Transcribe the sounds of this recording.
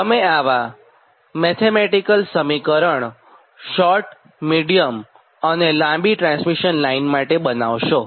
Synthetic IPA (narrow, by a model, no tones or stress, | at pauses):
t̪əmeaʋa | mɛt̪ʰemeʈikəlsəmikəɾəɳ | ʃɔɾʈ | miɽijəm | ənelãmbiʈɾãnsmiʃənlainmaʈebənaʋʃo